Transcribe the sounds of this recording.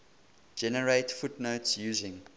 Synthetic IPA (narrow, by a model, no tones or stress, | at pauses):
d͡ʒɛnəɹeɪtfutnoʊtsjuːzɪ̃ŋ